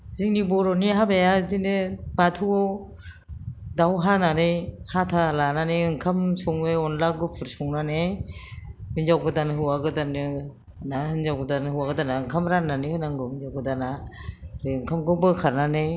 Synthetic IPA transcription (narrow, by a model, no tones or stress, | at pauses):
ziŋnibɔɾɔniɦabejadinɯbatʰuɔ | dawɦananejhatʰalananejɯŋkʰamsɔŋejɔnlaɡɯpʰɯɾsɔŋnanej | ɯnzawɡɯdanɦɯwaɡɯdanɯ | nahɯnzawɡɯdanɯhɯwaɡɯdanaɯŋkʰamɾanːanihɯnaŋɡɯɯnzawɡɯdanaɾɯɯŋkʰamɡɯbɯkʰaɾnanej